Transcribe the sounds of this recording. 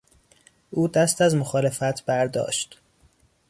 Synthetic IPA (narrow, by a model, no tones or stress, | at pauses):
ʔuːd̪æst̪æzmoxɒːle̞fæt̪ʰb̥æɾd̪ɒ̰ːʃt̪